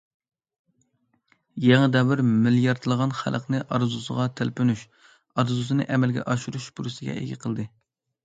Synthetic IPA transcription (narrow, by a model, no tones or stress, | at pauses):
jeŋɨd̪ɛvɪɾmɪljɑɾt̪ʰɨlˠəʁɑnχæ̰lˠəqnɨʔɑɾzusəʁɑt̪ʰælpynuʃ | ɑɾzusɨnɨʔɛmɛlɡʲɛ̰ʔɑʃuɾuʃbuɾɨsɪɡʲɛ̰ʔḛɡʲɪqʰəlˠd̪ɨ